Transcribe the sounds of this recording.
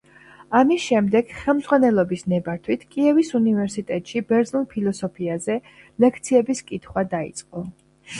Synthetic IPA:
amisʃɛmd̪ɛɡ̥χɛlˠmd̪z̥ʼʁwanɛlˠɔbisnɛbaɾt̪ʰwit̪ʰkʼiɛvisunivɛɾsit̪ʼɛt̪ʼʃibɛɾd̪znulˠpʰilˠɔsɔpʰiazɛ | lɛkʰt̪sʰiɛbiskʼit̪ʰχwad̪aḭt̪sʼqʼɔ

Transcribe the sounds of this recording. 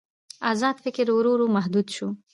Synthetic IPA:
ɑzɑːd̪fɪkɪɾʊɾuɾumaɦd̪ud̪ʃu

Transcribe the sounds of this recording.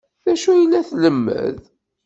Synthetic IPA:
ðæʃujəlːæθləmːə̰ð

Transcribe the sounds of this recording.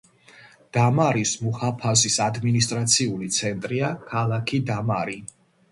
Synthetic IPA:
d̪̥amaɾismuhapʰazisad̪minist̪ʼɾat̪sʰiulit̪sʰɛnt̪ʼɾiakʰalˠakʰid̪amaɾi

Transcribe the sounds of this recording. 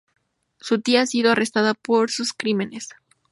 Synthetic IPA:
sut̪iaasiðo̞arʔe̞st̪aðapo̞ɾsuskɾime̞ne̞s

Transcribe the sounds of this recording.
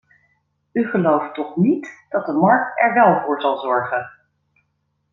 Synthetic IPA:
yχəlowftɔχnitd̥ɑt̚dəmɑɹk̚tɛ̰ɹʋɛlˠvʊːɹzɑlˠzɔɹχən

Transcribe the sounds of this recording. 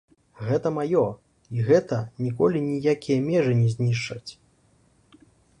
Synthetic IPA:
ɣɛt̪ɐmajɔ | iɣɛt̪ɐnʲikɔlʲinʲijakʲijɐmʲɛʐɨnʲɛzʲnʲiʂt͡ʂːɐt͡sʲ

